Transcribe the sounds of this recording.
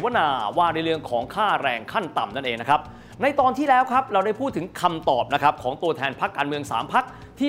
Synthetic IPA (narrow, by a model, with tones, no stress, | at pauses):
wa˥naː˧waː˧˩ɾa˧jlɯ˧əŋkʰɔː˩˦ŋkʰaː˥˩ɾɛː˧ŋkʰa˥˩nt̪a˨˩mna˥˩nʔeː˧ŋna˦˥kʰa˦˥p̚ | na˧jt̪ɔː˧nt̪ʰiː˥˩lɛː˦˥wkʰɾa˦˥p̚ɾa˧wda˥˩jpʰuː˥˩t̪ʰːɯ˩˦ŋkʰa˧mt̪ɔː˨˩p̚na˦˥kʰa˦˥p̚kʰɔː˩˦ŋt̪u˧ɐt̪ʰɛː˧npʰa˦˥kːaː˧nmɯ˧əŋsa̰ː˩˦mpʰa˦˥k̚ | t̪ʰiː˥˩